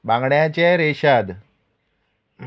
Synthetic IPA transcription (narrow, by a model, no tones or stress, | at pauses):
bãŋɡɳjat͡ɕeɾeɕad̪